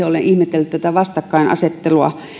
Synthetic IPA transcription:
eoleʔʔihmet̪ːelːt̪æ̆t̪æʋɑst̪ɑkːɑinʔɑ̰set̪ːeluɑ̰

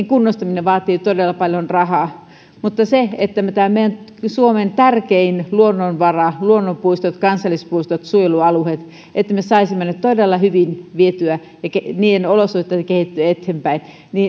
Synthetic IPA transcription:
ŋkunːost̪ɑmineʋʋɑːt̪iːt̪odelːɑpɑljonrɑhɑː | mut̪ːɑseet̪ːæmet̪æːmmeˑijænsuoment̪ærkeinluonːonʋɑrɑluonːompuist̪ot̪kɑnsɑlːˑispuist̪ot̪suojeluɑluhet̪ | ʔet̪ːæmesɑisimmænːæt̪t̪odelːɑhyʋinʋiet̪yæ | jɑkeniːenolosuht̪ːˑɑkehit̪ːyæet̪hempæin | niː

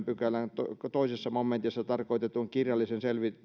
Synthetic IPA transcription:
mpykælænt̪ot̪oisesːɑmomːent̪isːɑt̪ɑrkoit̪et̪uŋkirjɑlːˑisenselʋi

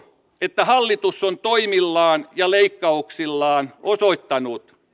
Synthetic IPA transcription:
et̪ːæhɑlːit̪usːont̪oimilːɑːnjɑleikːɑuksilːɑːnosoit̪ːɑnut̪

